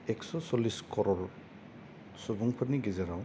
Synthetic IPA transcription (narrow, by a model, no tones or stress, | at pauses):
ɛksɔsɔliskɔɾɔɾ | subuŋpʰaɾniɡezaɾaw